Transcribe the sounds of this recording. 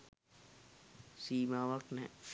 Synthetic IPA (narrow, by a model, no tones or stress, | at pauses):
siːmaːʋək̚nɛ̰̃